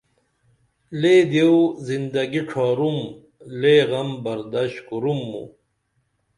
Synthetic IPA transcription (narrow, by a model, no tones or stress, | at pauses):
led̪ewzind̪ɐɡiʈ͡ʂʰaːɾum | leːɣɐmbɐɾd̪aɕkuɾumːṵ